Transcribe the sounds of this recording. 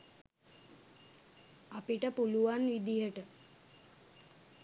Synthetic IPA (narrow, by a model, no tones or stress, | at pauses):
apiʈəpuluʋanʋid̪ijəʈə